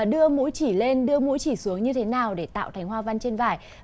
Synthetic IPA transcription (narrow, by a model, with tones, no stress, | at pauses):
ɗɨ˧əmṵ˧˥jt͡ɕi˧˩le˧nɗɨ˧əmṵ˧˥jt͡ɕi˧˩su˨˦əŋɲɨ˧t̪ʰe˨˦naː˨˩wɗe˧˩t̪a̰ː˧˨wt̪ʰa˨˦jŋ̟hwaː˧va˧nt͡ɕe˧nvaː˧˩j